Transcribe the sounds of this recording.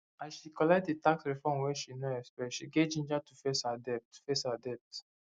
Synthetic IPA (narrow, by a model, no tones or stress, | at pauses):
ãnʃikɔlɛk̚t̚detaksɹifɔ̃mwɛʃinoɛspɛʃiɡevd͡ʒĩnd͡ʒatufeshadɛp̚tfeshadɛp̚t